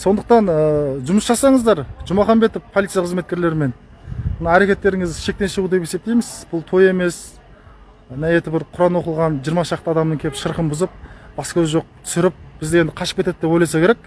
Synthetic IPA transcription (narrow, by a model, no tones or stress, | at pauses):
so̞nd̪əq̚t̪ɑnəʒʊməsʒɑsɑɴəzd̪ɑɾʒʊmɑχɑnbe̞t̪əvpʰoit̪sijaqʰəzme̞t̪̚kʲe̞ɾle̞ɾɪme̞n | mənɑæɾe̞kʲe̞t̪ːe̞ɾɪŋɪzʃe̞k̚t̪e̞nʃəʁud̪e̞pe̞se̞p̚t̪e̞jmɪz̥b̥ʊlˠt̪ʰo̞je̞me̞s | næjet̪ɪbɪɾqʰʊɾɑnwo̞qəlˠʁɑnʒijəɾmɑʃʒɑqt̪əɑd̪ɑmnəŋkʲʰeɪʃəɾqəmbʊzəp̚b̥ɑskʲʰɵzɪʒo̞q̚t̪ʰʏ̥sɪɾɪp̚b̥ɪzd̪ɪe̞nd̪ɪqʰɑʃə̥pkʲet̪ed̪ɪd̪e̞pojlɑjsɑkʲeɾek̚